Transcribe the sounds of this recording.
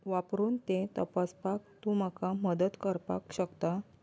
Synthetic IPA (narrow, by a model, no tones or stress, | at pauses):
ʋapɾuːnt̪et̪əpaspak̚t̪ũməkaməd̪ət̪kəɾpa̰kɕəkt̪a